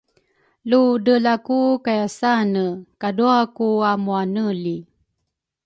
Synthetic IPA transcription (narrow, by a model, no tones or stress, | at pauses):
ludəlakukajasanəkaduakuamuanəli